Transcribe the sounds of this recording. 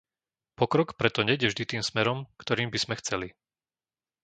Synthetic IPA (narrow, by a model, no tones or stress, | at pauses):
pɔkɾɔkpɾɛt̪ɔɲɛjɟɛvʒd̪it̪iːmsmɛɾɔmkt̪ɔɾiːmbiz̥mɛxt͡sɛli